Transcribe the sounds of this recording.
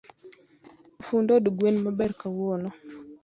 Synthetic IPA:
fundɔdiɡwenmabɛɾkawɔnɔ

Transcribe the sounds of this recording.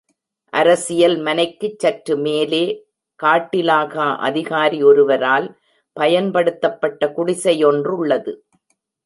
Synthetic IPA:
ʔɐɾɐsɪjɐlmɐnɐɪkːɯt͡ʃːɐʈɾɯmeːleː | kaːʈːɪlaːɣaʔɐ̰ðɪɣaːɾiɔɾɯʋɐɾaːl | pɐjɐnpɐɽɯt̪ːɐpːɐʈːɐkʊɽɪsɐjɔndrʊɭːɐðɯ

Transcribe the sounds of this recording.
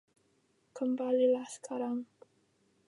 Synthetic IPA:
kʰəmbalilaθkʰaɾaŋ

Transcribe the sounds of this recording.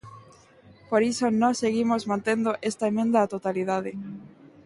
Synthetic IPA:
poɾisonɔ̃seɣimozmãnt̪end̪oʔest̪aemẽnd̪aːt̪ot̪aliðað̞e

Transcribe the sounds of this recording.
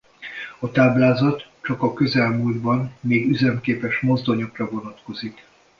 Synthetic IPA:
ɒt̪aːblaːzɒt̪t͡ʃɒkɒkø̞zɛlmuːld̪bɒnːeːɡyzɛmkeːpɛʃmo̞zd̪o̞ɲo̞krɒvonɒt̪ko̞zik

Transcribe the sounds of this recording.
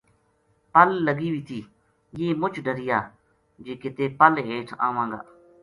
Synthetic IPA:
pəlːəɡiːʋiːt̪ʰiː | jeːmʊt͡ʃʰɖʱəɾɪjaː | d͡ʒeːkeːt̪eːpəlɦeːʈʰã̰ːʋãːŋɡa̰ː

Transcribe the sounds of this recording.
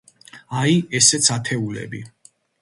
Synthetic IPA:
aiɛsɛt̪sʰat̪ʰɛulɛ̰bi

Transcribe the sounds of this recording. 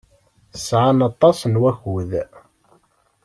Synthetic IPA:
sʕanɑt̪ˤːɑsnwæçuð

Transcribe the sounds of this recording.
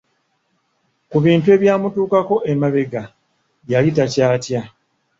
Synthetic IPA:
kuβiːntue̞ːβjaːmutuːkako̞ʔemaβe̞ɡa | jalitacaːtja

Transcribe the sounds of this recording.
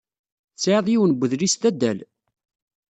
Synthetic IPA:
t͡sːʕəðˤjiwənbʷːəðlist̪æd̪ːæ̰l

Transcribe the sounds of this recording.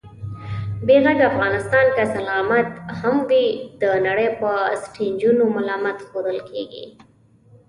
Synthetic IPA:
beɣaɡaafɣɑnɪst̪ɑnkasalɑmat̪hamwid̪̥ənaɽəjpəsʈʰind͡ʒunomalɑmat̪xod̪əlkʰeɡḭ

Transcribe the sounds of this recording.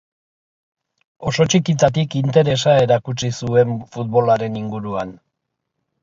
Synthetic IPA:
o̞so̞t͡ʃikit̪at̪̬ikint̪e̞ɾe̞sae̞ɾakut͡sisue̞ɱfut̪̚βo̞laɾe̞niŋɡuɾuan

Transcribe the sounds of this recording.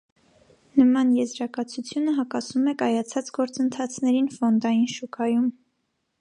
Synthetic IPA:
nəmɑnjɛzɾɑkɑt͡sʰut͡sʰjunəɦɑkɑsumɛkɑjɑt͡sʰɑt͡sɡɔɾt͡sənt̪ʰɑt͡sʰnɛɾinfɔnd̪ɑjinʃukʰɑjum

